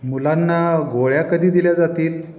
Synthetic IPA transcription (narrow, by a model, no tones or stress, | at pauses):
mulanːaɡoɭjakəd̪ʱiːd̪iljad͡zat̪iːl